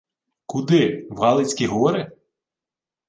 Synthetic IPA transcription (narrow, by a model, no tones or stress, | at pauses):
kud̪ɪwɑlˠɪt͡sʲkʲiɦɔɔɾɪ